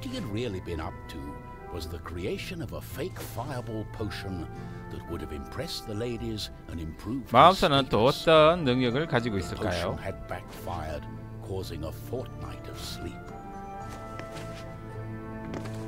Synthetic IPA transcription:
wʌt̚hiɨd̚ɹɪlˠibɨ̃ñʌ̰p̚tʰɨ | wʌzðɨkʰɹ̥ieɪʃɨ̃nʌvəfeɪkfaɪəbl̩ˠpʰoʊʃɨ̃n | ðɨt̚wʊɾɨvɨ̰̃mpʰɹ̥ɛsðəleɪɾiz | ɨ̃nɨ̃mpʰɹ̥uvmamsʰʌnʌntʰoʌtʌnːɯŋɲʌɡɨlkad͡ʑiɡoisʌkajonɨd̚bækfaɪə˞d̚ | kʰɔzɪ̃ŋəfɔɹtⁿna̰ɪɾʌv̥slip

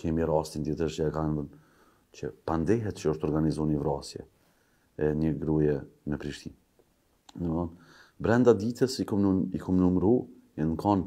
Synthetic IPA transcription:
kɛmiɾast̪ind̪jɛt̪ət͡ʃəɛkanvən | t͡ɕəpand̪ɛɦɛt̪t͡ʃəəʃt̪ɔɾɡanizunivɾasjɛ̰ | ɛɲəɡɾujɛnəpɾiʃt̪in | nəɔn | bɾɛnd̪ad̪it̪əsikuikʰumnumɾu | ɛnkɔn

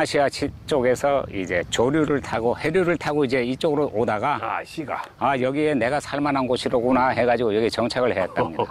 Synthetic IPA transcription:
aɕʰiat͡ɕʰit͡ɕ͈oɡe̞sʰʌid͡ʑe̞t͡ɕoɾjuɾɯɭtʰaɡohe̞ɾjuɾɯɭtʰaɡoid͡ʑe̞it͡ɕ͈oɡɯɾoʔodaɡaɕiɡa̰ | ajʌɡie̞ne̞ɡasʰaɭmanɦanɡoɕʰiɾoɡunaɦe̞ɡad͡ʑiɡojʌɡit͡ɕʌŋt͡ɕʰaɡɯɭhe̞jʌt̚t͈amɲida

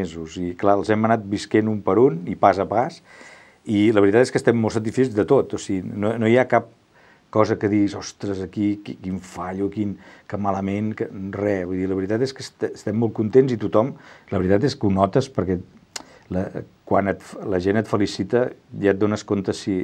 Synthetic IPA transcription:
ezuziklaəlˠzɛmənat̪̚biskenumpəɾunipazəpas | iləβɾit̪at̪eskəst̪ɛmːolˠsət̪̬isfezðət̪ot̪osiɣinonojakap̚ | kɔzəkəðiɣizɔst̪ɾəzəkikikiɱfaʎukinkəmaləmenkərɛβujðiləβɾit̪at̪eskəst̪ːst̪ɛmːolˠkunt̪enzit̪ut̪ɔmləβɾit̪at̪eskunɔt̪əspəɾkɛ | ləkwanət̪fləʒenət̪fəlisit̪əʒat̪̚d̪onəskont̪əsi

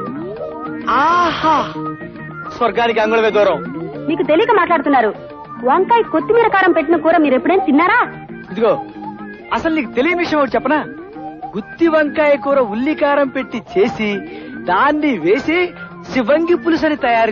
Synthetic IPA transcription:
aːhaː | sʋɐɾɡaːnik̬iɐŋɡuɭɐʋeːd̪ɔːɾɐ̃w̃miːkut̪e̞lijkɐmaːʈlaːɽut̪unːaːɾu | ʋɐŋkaːjkot̪ːimiɾɐkaːɾɐmpe̞ʈːinɐkuːɾaːmiːɾepːuɽeːnt̪inːaːɾaː | id̪uɡo̞ː | ɐsɐlniːkut̪e̞lijɐnʋiʂɐjɐ̃mɐkːɽt͡ʃɛpːɐnaː | ɡut̪ːiʋɐŋkaːjɐkuːɾɐulːikaːɾɐmpeʈːit͡ʃe̞ːsid̪aːnːiʋeːseː | siʋɐŋɡipulus̬ɐnit̪ɐjaːɾ

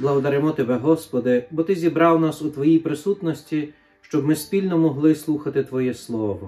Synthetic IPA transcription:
blˠɐɦɔd̪ɐɾɪmɔt̪ebɛɦɔspɔd̪ɪbɔt̪ɪzʲibɾɑwnɑsut̪ʋɔjijpɾɪsut̪nɔsʲtʲi | ʃt͡ʃɔbmɪspʲilʲnɔmɔɦlˠɪslˠuxɐt̪ɪt̪ʋɔjɛslˠɔʋɔ

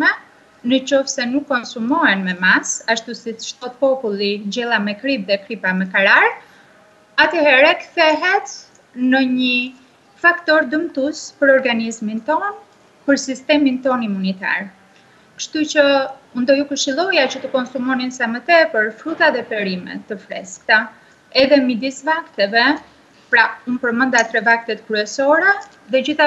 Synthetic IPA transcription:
mɛ | nət͡ɕɔfsɛnukːɔnsumɔɛnmɛmasaʃt̪usit̪ʃt̪ɔt̪̚pɔpulˠid͡ʑɛlˠamɛkɾip̚ðɛkɾipamɛkaɾaɾ | at̪ɛhɛɾɛkθɛɦɛt̪ | nəɲə | fakt̪ɔɾd̪əmt̪uspəɾɔɾɡanizmint̪ɔn | pəɾsist̪ɛmint̪ɔnimunit̪a̰ɾ | kəʃt̪ut͡ɕəund̪ɔjukəɾʃilˠɔjat͡ɕət̪əkɔnsumɔninsɛmət̪ɛpəɾfɾut̪aðɛpɛɾimɛ̰t̪ːəfɾɛ̰skt̪a | ɛðɛmid̪isvakt̪ɛvɛ | pɾaunpəɾmənd̪at̪ɾɛvak̚t̪ɛt̪kɾyɛsɔɾɛ | ðɛd͡ʑiθa

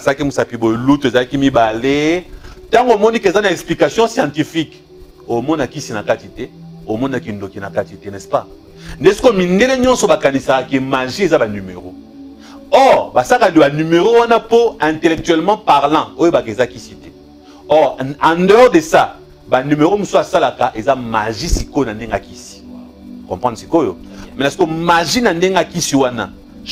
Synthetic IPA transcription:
asalakimusapibolutezalakimibaletãŋɡomɔnikezanaɛksplikasjɔ̃sjɑ̃tifik | omɔnakisinakatitɛomɔnakindokinakatitɛnɛspa | ndesi̥komindeleɲɔ̃nsɔbakanisakakemaʒiezabanymeʁo | ɔʁbasakadibanymeʁowanapoɛ̃telɛk̚tɥɛlmɑ̃paʁlɑ̃ojobakeezakisite̥ | ɔʁãndœʁdesa | banymeʁomusoasalakaʔezamaʒisikonandeŋɡakisi̥ | kɔ̃pʁɑ̃nsikojo̰mɛnasi̥komaʒinandeŋɡakisiwana̰

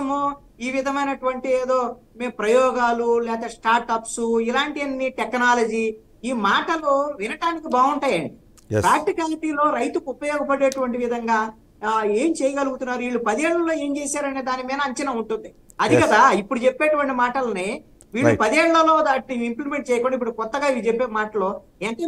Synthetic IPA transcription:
ɐmo | iːʋid̪ʱɐmɐjnɐʈuʋɐɳʈieːd̪oː | me̞ːmpɾɐjɔːɡaːlulɛːt̪ɐsʈaːɾʈɐpsuilaːɳʈiɐnːiʈeknaːlɐd͡ʒiː | iːmaːʈɐluʋinɐʈaːnikibaːɡuɳʈaːjɐɳɖi | pɾaːk̚ʈikaːliʈiːlo̞ːɾɐjt̪ukupɐjɔːɡɐpɐɽeːʈuʋɐɳʈ̬iʋid̪ʱɐŋɡaː | eːmt͡ʃɛːjɐɡɐluɡut̪unːaːɾuʋiːɭːupɐd̪ieːɭːɐloːe̞ːɲt͡ʃeːsaːɾɐne̞ːd̪aːnimiːnɐɐɲt͡ʃɐnɐuɳʈund̪i | ɐd̪ikɐd̪aipːuɽut͡ʃepːeːʈuʋɐɳʈimaːʈɐlɐne | ʋiːɭupɐd̪ieːɭːɐlo̞ːd̪aːʈːiimplime̞ɳʈ̚t͡ʃɛːjɐkɔɳːɖaipːuɽukɔt̪ːɐɡaːit͡ʃepːeːmaːʈɐlo̞ː | eːnt̪e

